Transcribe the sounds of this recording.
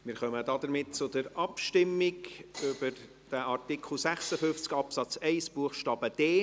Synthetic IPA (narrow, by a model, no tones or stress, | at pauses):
mɪːɾχœmədɑd̪əɾmɪtt͡sʊdəɾɑpʃtɪmːɪkʏbəɾ | d̥əʔɑɾtɪkʰl̩ˠsæχsəfʏnft͡skɑpsɑt͡sɛɪsb̥uəχʃtɑːb̥əd̥eː